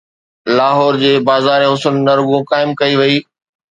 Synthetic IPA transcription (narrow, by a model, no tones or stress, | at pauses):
laːɦɔːɾd͡ʑeːbaːzaːɾẽɦʊsʊnːɐɾʊɡõkaːɪmkɐiʋɐiː